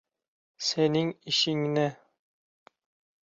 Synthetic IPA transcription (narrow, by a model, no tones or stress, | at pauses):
senɘŋiʃɘŋnɘ